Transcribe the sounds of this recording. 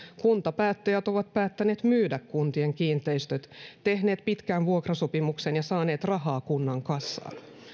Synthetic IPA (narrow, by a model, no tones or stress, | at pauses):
kunt̪ɑpæːt̪ːæjæt̪oʋɑt̪̚pæːt̪ːæne̞ːt̪myːdækkunt̪ieŋkiːnt̪eist̪øt̪t̪e̞hne̞ːt̪pit̪kænʋuokrɑsopimuksenjɑsɑːne̞ːt̪rɑɦɑːkunːɑŋkɑsːɑ̰ːn